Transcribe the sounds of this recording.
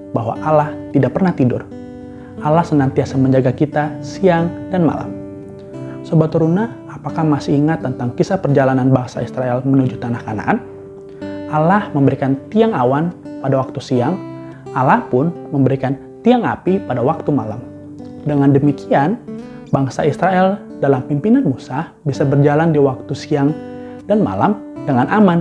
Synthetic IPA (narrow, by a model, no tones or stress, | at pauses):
baɦwa̰ʔalaht̪idak̚pərnaht̪idʊ̰r | ʔalahsənant̪iasaməɲd͡ʒaɡakit̪asiaŋdanma̰la̰m | səbap̚t̪əɾunah | apakahmasɪiŋat̪ːənt̪aŋkisapərd͡ʒalananbaaŋsa̰isɾaɛlmənud͡ʒut̪anahkana̰ʔan | alahməmbəɾikant̪iaŋawanpadawak̚t̪usiaŋ | ʔalahpʊnməmbəɾikan | t̪iaŋa̰pipadawak̚t̪umala̰m | dəŋandəmikian | baŋsa̰isɾaɛl | dalampimpinanmusahbisabərd͡ʒalandiwak̚t̪usiaŋ | danma̰la̰mdəŋanʔaman